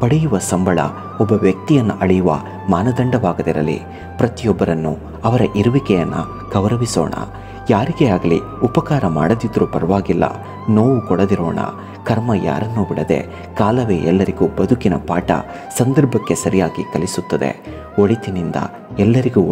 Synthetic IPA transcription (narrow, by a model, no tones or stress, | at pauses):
pɐɽɛjuʋɐsɐmbʱɐɭɐ̰ | ɔbːɐʋjɐk̚t̪ijɐnːuʔɐɭɛjuʋɐ̰ | maːnɐd̪ɐɳɖɐʋaːɡɐd̪iɾɐ̰lːḭ | pɾɐt̪ijɔbːɐɾɐnːu | ɐʋɐɾɐʔiɾuʋikɛjɐnːɐ̰ | ɡ̥ɐʋɾɐʋisɔ̰ːɳɐ̰ | jaːɾiɡeaːɡɐlḭ | upɐkaːɾɐma̰ːɽɐd̪id̪ɐɾupɐɾɐʋaːɡilːɐ̰ | no̞ːʋukɔɽɐd̪iɾɔ̰ːɳɐ̰ | kɐɾmɐja̰ːɾɐnːubiɽɐd̪e̞̰ | kaːlɐʋe̞ːʔɛlːɐɾiɡuːbɐd̪ʱukinɐ̰paːʈɐ̰ | sɐnd̪ɐɾbʱɐkːe̞sɐɾijaːɡikɐlisut̪ːɐd̪e̞̰ | oɭit̪inind̪ɐ̰ | ɛlːɐɾiɡuː